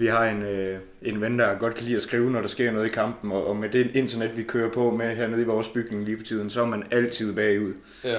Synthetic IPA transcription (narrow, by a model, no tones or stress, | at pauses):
ʋiɦɑ̈e̝nø | e̝nʋend̥ɑ̈ɡ̥ɒ̽d̥kʰælḭːæsɡ̥ʁiːʊnɒɾ̥ɑ̈sɡ̥e̝ɐ̰nɔ̽ðˠikʰɑ̈m̰b̥n̩ɒ̽ʔːmed̥e̝ʔe̝nd̥ʰɐned̥ʋikʰøːɐpʰɒ̽meɦæɐneð̞̩ˠiʋɒːsb̥yɡ̥ne̝ŋliːfɒ̽t͡sʰið̞̰ˠn̩sɒæɐmænæl̰t͡sʰið̰ˠb̥ɛːuð̰ˠ